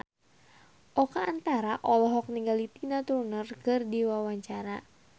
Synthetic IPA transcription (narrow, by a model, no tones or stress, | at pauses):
ʔɔkaːnt̪aɾaʔɔlɔɦɔk̚niŋɡalit̪inat̪uɾunərkɨrdiwawaɲt͡ʃaɾa